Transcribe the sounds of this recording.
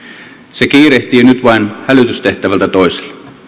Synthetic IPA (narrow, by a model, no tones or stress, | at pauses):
sekiːreht̪iːnyt̪ʋɑinhælyt̪yst̪eht̪æʋælt̪æt̪oise̥l